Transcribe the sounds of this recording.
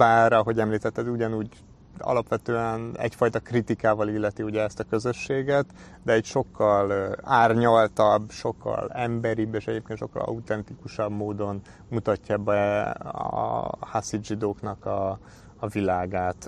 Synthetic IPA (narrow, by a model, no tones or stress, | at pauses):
baːɾɒɦo̞ɟɛmliːt̪ɛt̪ːɛd̪uɟɒnuːɟ | ɒ̰lɒpʋɛt̪øːɛnɛ̰cfɒjt̪ɒkrit̪ikaːvɒlilːɛt̪iuɟɛɛst̪ɒkø̞zø̞ʃːeːɡɛt̪ | d̪ɛɛcʃo̞kːɒlaːrɲɒlt̪ɒbːʃo̞kːɒ̰lɛmbɛɾibːeːʃɛɟeːp̚keːnʃo̞kːɒ̰lɒ̰ut̪ɛnt̪ikuʃɒbmoːd̪o̞n | mut̪ɒcːɒbɛɒ̰hasiʒid̪oːknɒkɒː | vilaːɡaːt̪